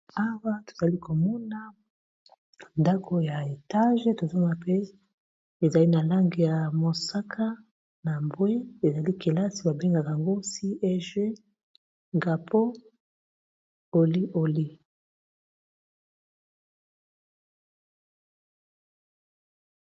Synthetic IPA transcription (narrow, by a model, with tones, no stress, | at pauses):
a˦wa˦to̥˨za˨li˦ko˨mɔ˦na˦ | nda˦kʰo˦ja˨e˨ta˦ʒe˦to˨zo˦ma˨pe˦ | e˨za˨li˦na˨la˦ŋɡi˨ja˨mo˨sa˦kʰa˦ | na˨mbwe˦e˨za˨li˦kʰe˨la˦si˨ba˨be˦ŋɡa˨ka˨a˨ŋɡo˦si˦ʔɛ˦ʒe˦ | ŋɡa˨pʰo˦ | o˨li˦ʔo˨li˦